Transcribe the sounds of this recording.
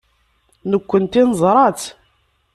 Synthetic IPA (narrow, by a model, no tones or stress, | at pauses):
nəkʷːənt̪inəzˤɾˤɑt͡s